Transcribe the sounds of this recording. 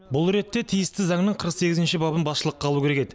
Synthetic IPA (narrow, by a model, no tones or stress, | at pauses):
bʊlˠɾe̞t̪ːe̞t̪ʰijɪst̪ɪzɑŋnəɴqʰəɾəqse̞ɡʲɪzɪnʃɪbɑbənbɑsʃəlˠəqːʰɑlˠukʲʰeeke̞d̪ɪ